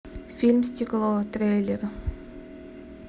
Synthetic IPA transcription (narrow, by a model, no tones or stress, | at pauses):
fʲilʲmsʲtʲiklˠot̪ɾʲejlʲeɾ